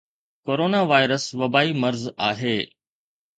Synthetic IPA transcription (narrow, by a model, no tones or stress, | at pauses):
koːɾoːnaːʋaːɪɾəsʋɐbaːimɐɾzaːɦeː